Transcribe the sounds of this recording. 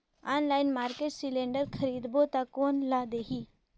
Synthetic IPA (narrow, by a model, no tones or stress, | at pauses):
anlainmaɾkeʈsileɳɖəɾkʰəɾiːd̪bot̪akonlad̪eɦiː